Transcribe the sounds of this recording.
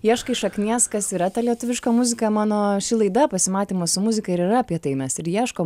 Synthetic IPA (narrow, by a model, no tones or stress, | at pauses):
jiɛʃkɐɪʃɐknʲiɛskɐsiːɾɐt̪ɐlʲiɛt̪ʊʋʲɪʃkɐmʊzʲɪkɐmɑːnoːʃʲɪlˠɐɪd̪ɐpɐsʲɪmɑːt̪ʲiːmɐsʊmʊzʲɪkɐɪɾɪɾɐɐpʲiɛt̪ɐɪmʲɛsɪɾjiɛʃkoː